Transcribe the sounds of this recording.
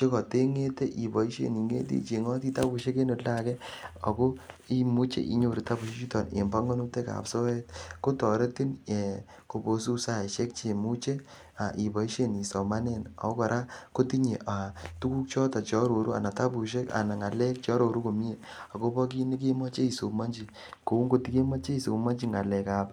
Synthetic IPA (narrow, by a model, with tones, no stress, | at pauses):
t͡ʃe˦kɔ˨te˦ŋe˦te˦ʔi˨bɔ˨i˦ʃḛ˦˨ni˨ŋḛ˦tḭ˦t͡ʃe˨ŋɔ˦ti˦ta˦bu˨ʃe˦ke˦no˨la˦˨kɛ˦ɔ̰˨ko˦i˦mu˦t͡ʃḛ˦ʔḭ˨˦ɲo˨ɾi˨ta˦bu˨ʃi˦t͡ʃi˦tɔ˨nḛ˨mba˦ŋɡo˦nu˦te˦ka̰˨pso˦e˦t̚ko˦tɔ˨ɾe˦ti˦ne˨ | ko˨bo˨s̬u˦sa˦˨ʃɛ˦k̚t͡ʃe˨mu˦t͡ʃe˦ | a˨ʔi˨bɔ˨i˦ʃe˦ni˨sɔ˨ma˦ne˦˨nɔ̰˨o˦kɔ˨ɾʔa˦ko˦ti˦ɲe˨ʔa˨tu˦ku˦k̚t͡ʃɔ˦tɔ˨t͡ʃɔ˦ɾo˨ɾu˦a̰˨na˨ta˦bu˨ʃ̬e˦ka̰˨na˨ŋa˨lɛ˦k̚t͡ʃɔ˦ɾo˨ɾu˦ko˨mi˦e˨ | ɔ˨ko˦bɔ˦k̬i˦ni˦k̬e˦mɔ˦t͡ʃe˦i˨so˨ma˦nd͡ʒi˨ | ko˨u˦ŋɡo˦ti˦ke˦mɔ˦t͡ʃe˦i˨so˨ma˦nd͡ʒi˦ŋa˨lɛ˨ka˨p